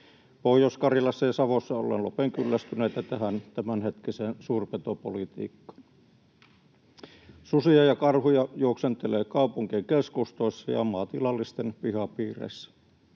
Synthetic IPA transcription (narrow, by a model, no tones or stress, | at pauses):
pohjoskɑrjɑlɑsːejɑsɑʋosːɑo̰lːˑḛnlo̰peŋkylːæst̪yneit̪æt̪æhænt̪æmænhet̪kiseːnsuːrpet̪opolit̪ḭːkːɑ̥n | susiɑjɑkɑrhujɑjuoksent̪eleːkɑupuŋkikeskust̪oˑisːɑjɑ̰mɑt̪ilɑlːist̪enpihɑpiːrḛsːæ̥